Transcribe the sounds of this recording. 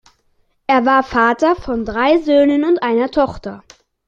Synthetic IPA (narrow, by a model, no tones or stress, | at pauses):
ʔeːɐvaːɐfaːtɐfɔndʁaɪzøːnənʊntʔaɪnɐtʰɔχtɐ